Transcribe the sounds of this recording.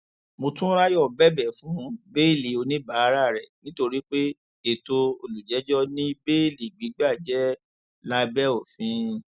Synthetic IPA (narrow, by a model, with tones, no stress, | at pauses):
mo˧tũ˦ɾa˦jɔ˦˨bɛ˦bɛ˦˨fũ˨˦be˦i˦˨li˨o˧nĩ˦ba˨˦ɾa˦˨ɾɛ˨nĩ˦to˧ɾi˦k͡pe˦ | ke˨to˧o˧lu˨d͡ʒɛ˨˦d͡ʒɔ˦nĩ˦be˦˨li˨ɡ͡bi˨˦ɡ͡ba˦˨d͡ʒɛ˦ | la˦bɛ˦o˨fĩ˨˧˦